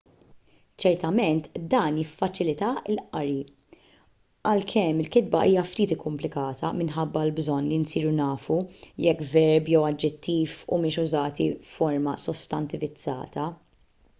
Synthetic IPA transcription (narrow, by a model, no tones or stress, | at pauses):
t͡ʃɛɾt̪ɐmɛnt̪d̪ɐːnjɪfːɐt͡ʃɪlɪt̪ɐɪlʔɐɾi | ɐlkʰɛmːɪlkɪd̪̚bɐʔiːjɐft̪iːt̪ɪkːʊmplɪkɐːt̪ʰɐmɪnħɐbːɐlbzɔnːlinsiːɾunɐːfujɛkːvɛɾbjɛwɐd͡ʒːɛt̪ːiːfṵmɪːʃʊzɐːt̪iːɔɾmɐsɔst̪ɐnt̪ɪvɪd͡zːɐ̰ːt̪ɐ